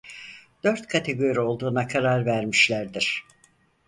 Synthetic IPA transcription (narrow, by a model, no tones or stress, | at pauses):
d̪̥ø̞ɾt̪kʰat̪ʰe̞ɡo̞ɾio̞lˠd̪uːnakʰaɾaɾvæɾmiʃlʲæɾd̪iɾ̥